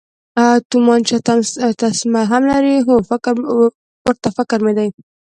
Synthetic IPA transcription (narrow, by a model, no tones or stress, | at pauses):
at̪umɑnt͡ʃat̪ast̪asmaɦamlaɾiɦofɪkɾ | wəɾt̪afɪkɾmed̪aj